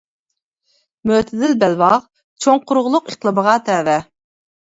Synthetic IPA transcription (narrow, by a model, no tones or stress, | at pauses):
møt̪ʰɪd̪ɪlbɛlwɑʁ | t͡ʃʰoŋqʰʊɾʁlˠʊqeqlˠəbəʁɑt̪ʰɛːvɛ